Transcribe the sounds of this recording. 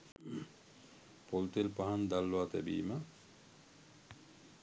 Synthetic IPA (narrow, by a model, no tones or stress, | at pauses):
polt̪elpaɦand̪alːoat̪æ̰bḭːmə